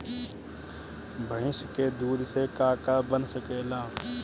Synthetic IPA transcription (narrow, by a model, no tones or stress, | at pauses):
bʱəɦɪ̃ʃked̪uːd̪sekaːkabənsəkeːlaː